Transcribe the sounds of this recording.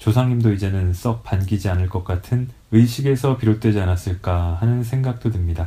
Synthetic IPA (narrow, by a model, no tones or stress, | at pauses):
t͡ɕosʰaŋɲimdoid͡ʑe̞nɯns͈ʌk̚p͈anɡid͡ʑianɯɭk͈ʌk̚k͈atʰɯn | ɯjɕʰiɡe̞sʰʌpiɾot̚t͈we̞d͡ʑianas͈ɯɭk͈ahanɯns̬ʰe̞ŋɡak̚t͈odɯmɲida